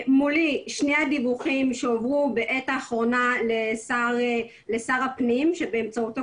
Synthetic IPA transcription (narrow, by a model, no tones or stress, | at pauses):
muliʃnejad̪ivuχimʃeovʁube̞ʔetaːχʁo̞nalesa | le̞saʁapnimʃe̞be̞ːmt͡sauta